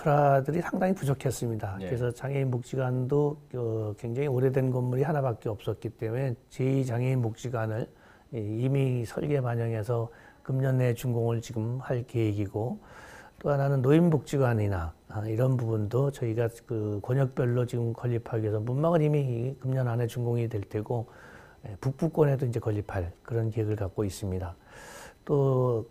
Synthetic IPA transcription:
pʰɯɾadɯɾisʰaŋdaŋipud͡ʑokʰes͈ɯmɲidakɯɾesʰʌt͡ɕaŋeinmok̚t͡ɕ͈iɡwandoʌkwe̞ŋd͡ʑaŋioɾedwe̞nɡʌnːuɾihanabak͈eʌp̚s͈ʌt̚k͈it͈e̞mue̞t͡ɕeit͡ɕaŋeinmok̚t͡ɕ͈iɡwanɯɭ | imisʰʌ̰ɭɡe̞paɲʌŋe̞sʰʌkɯmɲʌne̞t͡ɕuŋɡoŋɯɭt͡ɕiɡɯmhaɭkeiɡiɡo | t͈oɦananɯnːoimmok̚t͡ɕ͈iɡwaɲinaiɾʌnbubundot͡ɕʌiɡakɯkwʌɲʌk̚p͈jʌɭːot͡ɕiɡɯmkʌʎːipʰaɡɥesʰʌmunmaɡɯnimikɯmɲʌnane̞t͡ɕuŋɡoŋidwe̞ɭt͈weɡo | jepuk̚p͈uk͈wʌne̞doind͡ʑe̞kʌʎːipʰaɭkɯɾʌnkiɦeɡɯɭkak̚k͈ois͈ɯmɲidat͈o

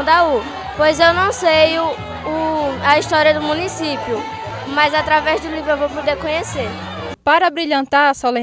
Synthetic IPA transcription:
d̪au | pojzewnɐ̃w̃sejʊ | ʊɐiʃt̪ɔɾiɐd̪ʊmũnisipjʊ | mɐjzat̪ɾavɛzd̪ʊlivɾʊewvowpod̪eɾkõɲeseɾ | paɾɐbɾiʎɐ̃nt̪aɾɐsɔlẽ

